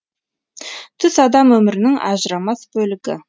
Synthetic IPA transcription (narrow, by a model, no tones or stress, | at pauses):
t̪ʰʏsɑd̪ɑmwɵmɪɾɪnɪŋɑ̰ʒəɾɑmɑsbɵlɪɡʲɪ̰